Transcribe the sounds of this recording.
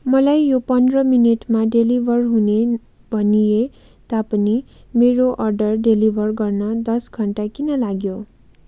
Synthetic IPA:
mʌlajːopʌnd̪rʌmineʈmaɖelibʱʌrɦune | bʱʌnije | t̪apʌni | meɾoʔʌrɖʌrɖelibʱʌrɡʌrnʌd̪ʌsɡʱʌɳʈakinʌlaɡjo

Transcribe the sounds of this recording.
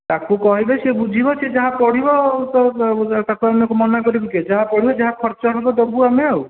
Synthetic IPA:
t̪akukɔɦibesebud͡ʒʱibɔsed͡ʒaɦapɔɽ̤ibɔt̪ɔt̪akuamɔkumɔnakɔɾibiked͡ʒaɦapɔɽibɔd͡ʒaɦakʰɔɾt͡ʃɔɦɛbɔd̪ɔbuamew

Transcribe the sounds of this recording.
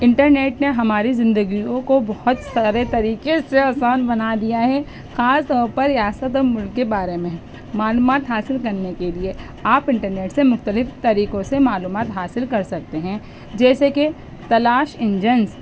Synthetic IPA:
ɪ̃ɳʈəɾneːʈneɦɐmaːɾizɪ̃nd̪əɡiõkobɔhʊt̪saːɾet̪ɐɾiːkeseɐːsaːnbɐnad̪ijaɦɛ | xaːst̪ɔːɾpɐɾjaːsət̪ɔːɾmʊlɡkebaːɾemẽ | maːluːmaːt̪ɦaːsɪlkɐɾnekelie | aːpɪ̃ɳʈəɾneːʈsemʊxt̪əlɪft̪ɐɾiːkõsemaːluːmaːt̪ɦaːsɪlkɐɾsɐk̚t̪eɦɛ̃ | d͡ʒɛːseke | t̪ɐlaːʃɪ̃ɲd͡ʒəns

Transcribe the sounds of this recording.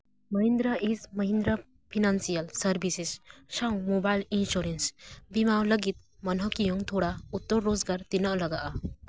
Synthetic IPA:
məɦind̪ɾaʔismɐɦind̪ɾa | pʰinansijalsɐɾbʱisissawmobajlinsuɾensbimawləɡit̪̚mɐnɦɔkijɔŋt̪ʰɔɽaut̪ːɔɾːozɡaɾt̪inəʔlɐɡaʔa

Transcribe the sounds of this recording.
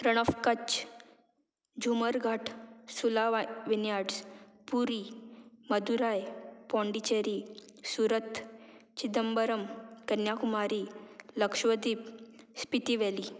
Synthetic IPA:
ɾəɽ̃əfkət͡ɕ | d͡ʑuməɾɡʱaʈʰsulaʋʋinjaɽspuɾiməd̪uɾajpɔ̃ɳɖit͡ɕeɾi | suɾət̪ʰt͡ɕid̪əmbəɾəmkənjakumaɾiːləkʂʋəd̪iːpspit̪iʋɛli

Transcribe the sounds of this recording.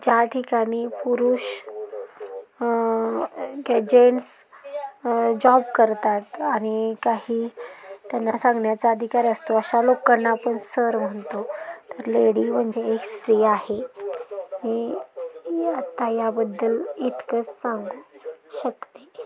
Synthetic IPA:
d͡ʑjaʈʰikaɽ̃iːpuɾuːɕ | ɡɛd͡ʑeɳs | d͡ʑɔbkəɾt̪at̪aɽ̃ikaɦiːt̪janːasãŋɡɳjat͡saəd̪ʱikaɾəst̪oəɕalokənːaːpəɳsəɾm̤əɳt̪ot̪əɾleɽiːm̤əɳd͡ʑeekst̪ɾiːjahe | ɦe | at̪ajabəd̪ːəlit̪kət͡ssaŋɡuːɕəkt̪e

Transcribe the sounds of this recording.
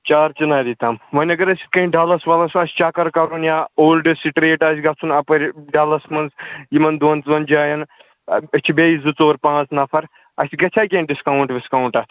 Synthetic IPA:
t͡ʃaːɾt͡ʃinaːɾit̪amʋɐnʲɐɡɐɾɐsʲi̥t̪̚kɐiɖʱaːlɐsʋɐlɐsɐsʲt͡ʃaːkɐɾkɐɾunjaːoːlɖɨsiʈɾeːʈas̬ʲɡɐt͡sʰunɐpɐɾʲɖaːlɐsmɐnzjimɐnd̪oːnt͡sʋɐnd͡ʒaːjɐn | ɐt͡ʃʰibejizɨt͡soːɾpãːt͡snɐfʰɐɾ | ɐ̰sʲiɡɐt͡ʃʰaːjkʲeːnɖiskawuɳʈʋiskawɳʈɐt̪

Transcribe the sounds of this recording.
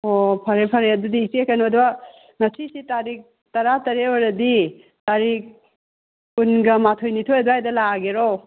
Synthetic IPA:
opʰɐɾepʰɐɾeɐdudiːsekʰanod̪uwa | mɐsisitaɾik̚ | tɐɾatɐɾewɔɾɐdi | taɾik̚ | unɡɐmatʰojnitʰoɐduajdɐlaɡeɾo

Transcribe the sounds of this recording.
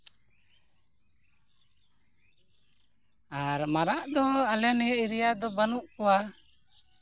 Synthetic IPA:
aɾmaɾaʔd̪ɔalɛnɛjʔiɾijad̪ɔbanuʔkɔwa

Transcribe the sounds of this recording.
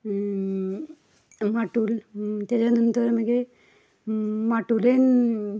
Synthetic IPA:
maʈult̪ad͡ʑanənt̪əɾmeɡe | maʈulen

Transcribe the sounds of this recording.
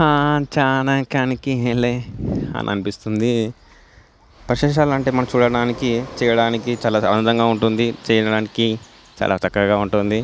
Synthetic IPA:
aːt͡ʃaːnaŋkaːnikieleɐ̰nʔɐ̰nipist̪und̪i | pɾɐʃɛːʃ̬aːlɐɳʈeːmɐnɐmt͡ʃuːɽɐɽaːnikit͡ʃɛːjɐɽaːnikit͡ʃaːlaːɐ̰ɐnd̪ɐŋɡaːuɳʈund̪it͡ʃɛːjɐɐɽaːniki | t͡ʃa̰ːlʔa̰ːt͡ʃɐkːɐɡaːuɳʈund̪i

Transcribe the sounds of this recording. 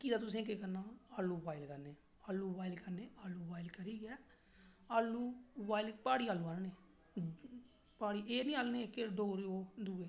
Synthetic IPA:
kiːd̪aːt̪ʊs̬ẽːk̬ekəɾnaːaːlːuːbaːɪlkəɾneː | aːlːuːbaːɪlkəɾneːaːlːuːbaːɪlkəɾiːɡɛː | aːlːuːbaːɪlpaːɽiːaːlːuːaːnneː | paːɽiːeːnĩːaːlneːkeɖoːɾoːd̪uːeː

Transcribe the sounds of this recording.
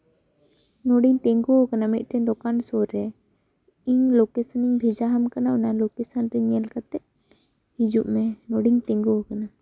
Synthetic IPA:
nɔɖiɲt̪ɛ̃ŋɡɔɦɔkanamit̪̚ˀʈɛd̪ɔkansɔɾɾɛ | iɲlokɛsəniɲbʱid͡ʒaɦamkanaunalokɛsənɾɛɲɛlkat̪ɛʔ | hid͡ʒuʔmɛnɔɽiŋt̪ɛ̃ŋɡɔɦɔkana

